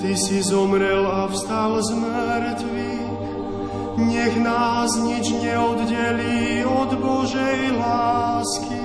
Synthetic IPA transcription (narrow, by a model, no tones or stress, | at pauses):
t̪isizɔmɾɛlafst̪alzməɾt̪ʋi | ɲɛɣnaːzɲid͡ʒɲɛɔd̪ɟɛliːɔd̪bɔʒɛjlaːski